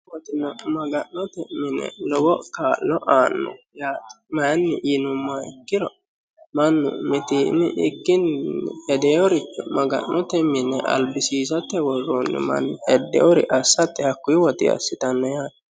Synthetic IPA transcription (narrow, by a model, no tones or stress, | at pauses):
wɔt̪ɪnɔmɐɡɐnːɔt̪ɛmːɪnɛ̰lɔɡɔkaːlːɔʔaːnːɔ̰jaːt̪ | mɐjnːɪʔinʊmːaɛkːɪɾɔ | mɐnːʊ̰mɪt̪inɪʔɪkːɪnhɛd̪ɛjɔɾɪt͡ʃːɔmɐɡɐ̰nːɔt̪ɛmːɪnɛʔɐ̰lbɪsiːsɐt̪ːɛwɔrːonːʊ̰mɐ̰nːhɛd̪ːɛ̰ʔɔɾɪ̰ʔɐsːɐt̪ːɛhɐkːʊjwɔt̪ɪ̰ɐ̰sːɪt̪ɐnːɔjaːt̪